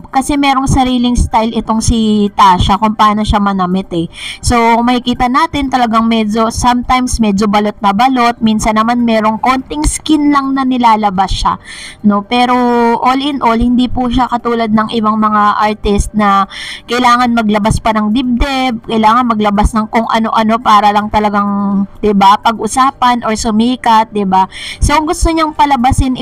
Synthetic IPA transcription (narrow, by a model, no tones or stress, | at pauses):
kɐsɛmɛːɾo̞ŋsɐɾiːlɪŋst̪ajlɪt̪o̞ŋsit̪aːʃɐkʊmpɐaːnoʃamɐnɐmɛt̪ɛso̞mɐkɪkiːt̪ɐnaːt̪ɪnt̪ɐlɐɡaŋmɛd͡ʒo̞sɐmt̪ajmsmɛd͡ʒobɐlo̞t̪̚nɐbɐlo̞t̪̚minsɐnːɐmanmɛːɾo̞ŋko̞nt̪ɪŋskɪnlɐŋnɐnɪlaːlɐbasʃa̰no̞pɛːɾo̞ʔolɪnʔo̞lhɪnd̪ipuʃakɐt̪uːlɐd̪̚nɐŋʔɪbaŋmɐŋaʔaɹt̪ɪst̪̚nɐkɐjlaːŋɐnmɐɡlɐbaspɐnɐŋd̪ɪb̚d̪ɛb̚kɐjɪlaːŋɐnmɐɡlɐbasnɐŋkoŋʔɐno̞ʔɐno̞paːɾɐlɐŋt̪ɐlɐɡaŋd̪̥ɪbapɐɡʔʊsaːpɐnʔo̞ɹsʊmiːkɐt̪̚d̪ɪbasoŋɡʊst̪oɲɐŋpɐlɐbɐsɪn